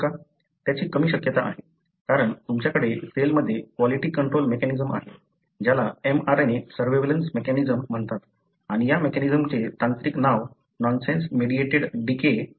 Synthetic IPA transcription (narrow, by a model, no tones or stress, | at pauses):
ka | t̪jat͡ɕiːkəmiːɕəkjət̪aʔaɦe | kaɾəɳt̪umt͡ɕjakəɽeselməd̪ʱːjekʋɔliʈiːkəɳʈɾolmekɛnizəma̰ɦe | d͡ʑalaemaɾnesəɾʋeʋlənsmekɛnid͡zəm̤ːəɳt̪at̪ | aɽ̃ijamekɛnid͡zəmt͡set̪ãnt̪ɾiːknaʋ | nɔnsensmeɽieʈeɽɖike